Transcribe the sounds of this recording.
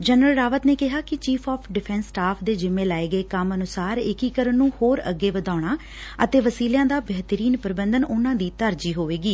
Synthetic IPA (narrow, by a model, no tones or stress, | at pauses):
d͡ʒənɾəlɾaːʋət̪neːkɪɦaːkɪt͡ʃiːpʰaːpʰɖɪpʰɛ̃ːnsːʈaːpʰd̪eːd͡ʒɪmẽːlaːeːɡəeːkəmənʊsaːɾɪkiːkəɾənːũːhoːɾə̰ɡːeːʋəd̪aːɽ̃aː | ət̪eːʋəsiːljãːd̪aːbɛːt̪əɾiːnpəɾɪbənd̪ənʊnãːd̪iːt̪əɾd͡ʒiːɦoːʋeːɡiː